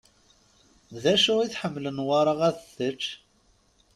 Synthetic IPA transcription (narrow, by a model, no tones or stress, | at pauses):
ðæʃʊʁiθħəmːlənwɑɾˤɑʁæðθət͡ʃː